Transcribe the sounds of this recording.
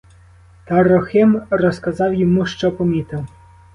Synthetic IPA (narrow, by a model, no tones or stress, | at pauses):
t̪arɔxɪmrɔskɐzɑwjɔmuʃt͡ʃɔpɔmʲit̪ɪw